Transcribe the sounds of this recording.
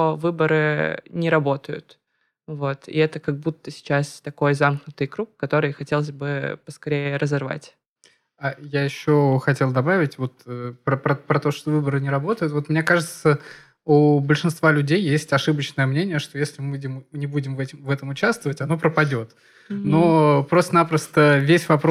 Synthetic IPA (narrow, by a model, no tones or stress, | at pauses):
t̪ovɨbəɾɨnʲɪɾɐbo̞t̪əjʊ̰t̪ | vo̞t̪ɪ̰ɛt̪əkɐɡ̚but̪ːəsʲɪ̥t͡ɕast̪ɐko̞jzamknʊt̪ɨjkɾukːɐt̪o̞ɾɨjxɐtʲe̞lˠəzʲbɨpəskɐɾʲejɪɪɾəzɐrva̰tʲ | ajajɪɕːoxɐtʲelˠd̪ɐbavʲɪtʲvo̞t̪əpɾəpɾɐpɾɐt̪o̞ʂt̪ovɨbəɾɨnʲɪɾɐbo̞t̪əjʊt̪vo̞t̪mnʲekaʐɨt̪sə | ubəlʲʂɨnst̪valʲʉdʲejːesʲtʲɐʂɨbət͡ɕnəjəmnʲenʲɪjəʂt̪o̞jesʲlʲɪmɨdʲɪmnʲɪbudʲɪmvɛtʲɪmvɛt̪əmʊt͡ɕast̪vəvətʲɐno̞pɾəpɐdʲo̞t̪ | no̞pɾo̞st̪ənapɾəst̪əvʲesʲvɐp